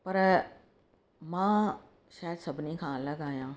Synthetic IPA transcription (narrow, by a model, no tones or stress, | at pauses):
pɐɾ | mãː | ʃaːjəd̪sɐbʱnikʰãːɐləɡaːjãː